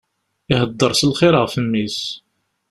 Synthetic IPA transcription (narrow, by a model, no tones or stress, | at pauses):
iɦəd̪ːəɾˤsəlχɪɾəʁfəmːis